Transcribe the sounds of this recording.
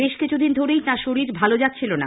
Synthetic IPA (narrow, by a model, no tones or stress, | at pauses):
beʃkit͡ɕʰud̪ind̪ʱoɾejtaʃoɾiɾbʱalod͡ʑatːɕʰilona̰